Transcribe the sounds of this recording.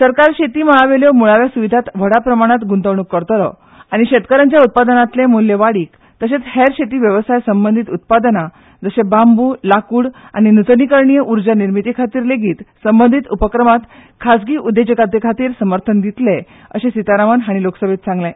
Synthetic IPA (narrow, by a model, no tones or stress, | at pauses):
səɾkaɾɕet̪iːməɭaʋeljɔmuɭaʋjasuʋid̪ʱat̪ʋ̤əɽapɾəmaɽ̃at̪ɡunt̪əʋɳ̃ukːəɾt̪lɔ̰ | aɽ̃iɕet̪kəɾaɲt͡ɕjaut̪̚pad̪ənãt̪lẽmulːeʋaɽiːk | t̪əɕet͡shɛɾɕet̪iːʋjəʋsajsəmbənd̪ʱit̪ut̪̚pad̪na | d͡zəɕebambulakuːɽa̰ñinut̪nikəɾɳijəʔuɾd͡ʑaniɾmit̪ikʰat̪iːɾleɡiːt̪səmbənd̪ʱit̪upəkɾəmat̪kʰasɡiːʔud̪ːed͡ʑəkad̪ekʰat̪iːɾsəməɾt̪ʰənd̪it̪le | ə̰ɕẽsit̪aɾamənɦaɽ̃iloksəbʱet̪sãŋɡlẽ